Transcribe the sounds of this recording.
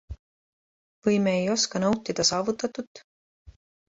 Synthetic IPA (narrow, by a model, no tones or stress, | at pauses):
vɤjme̞ejo̞skɑnɤwt̪ːid̪̥ɑsɑːvut̪ːˑɑt̪ːˑut̪ːˑ